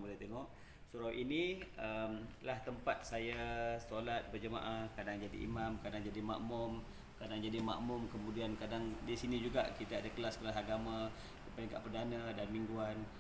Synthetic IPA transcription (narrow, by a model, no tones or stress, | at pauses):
bulat̪eŋɔʔ | suɾawʔiniəmlaht̪əmpat̪̚sajasolat̪̚bərd͡ʒəma̰ʔahkadaŋd͡ʒadḭʔḭmãmkadaŋd͡ʒadima̰ʔmʊm | kadaŋd͡ʒadima̰ʔmʊmkəmũdiankadaŋdisinid͡ʒuɡa̰ʔkit̪aadakəlaskəlasaɡamã | dipaniŋka̰ʔpərdanadanmiŋɡuan